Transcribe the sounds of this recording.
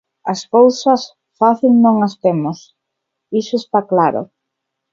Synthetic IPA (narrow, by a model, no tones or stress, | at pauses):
ɐskowsɐs | faθilnõŋɐst̪emʊs | isʊest̪aklaɾʊ̰